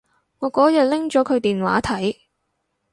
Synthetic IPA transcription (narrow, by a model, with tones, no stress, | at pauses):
ŋɔː˨˧˥kɔː˨˥jɐ˨t̚lɪ˥ŋt͡ʃɔː˨˥kʰɵ˨˧ɥt̪iː˨nwa̰ː˨˥t̪ʰɐ˨˥j